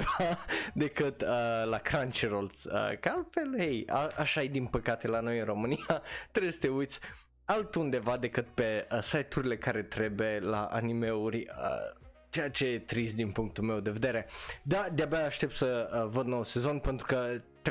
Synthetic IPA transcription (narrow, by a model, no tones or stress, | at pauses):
d̪e̞kɨt̪əlakɾant͡ʃiɾolsə̰kəalt̪fe̞lheja̰aʃaed̪inpəkat̪e̞lano̞jɨnro̞mɨniat̪ɾebesə̥t̪e̞ujt̪sʲ | alt̪und̪e̞vad̪e̞kɨt̪̚pe̞əsajt̪uɾile̞kaɾe̞t̪ɾe̞be̞la̰ʔa̰nime̞urʲə̰ | t͡ʃe̞jat͡ʃe̞jet̪ɾist̪d̪inpuŋk̚t̪ulme̞wd̪e̞ve̞d̪e̞ɾe̞d̪ad̪eabeaːʃt̪e̞p̚t̪səəvəd̪nowuse̞zo̞npe̞nt̪ɾukət̪